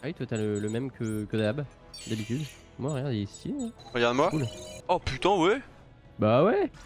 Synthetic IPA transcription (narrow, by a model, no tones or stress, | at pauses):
ajt̪wat̪alələmɛmkʰəkəd̪ab | d̪abit̪yd̪ | mwaʁəjaʁd̪eisjeɛ̃ʁəɡaʁd̪əmwakulɔplyt̪ɑ̃wɛ | bawɛ